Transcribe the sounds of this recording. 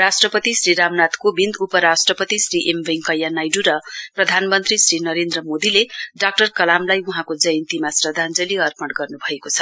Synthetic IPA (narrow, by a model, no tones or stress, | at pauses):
ɾasʈrʌpʌt̪isɾiɾamnat̪kobind̪upʌɾasʈrʌpʌt̪isriʔembeŋkʌjːanajɖuɾʌprʌd̪ʱanmʌnt̪risrinʌɾend̪rʌmod̪ileɖak̚ʈʌrkʌlamlajuɦãkod͡zʌjʌnt̪imasrʌd̪ʱand͡zʌliʌrpʌɽʈɡʌrnubʱʌekot͡sʰʌ̥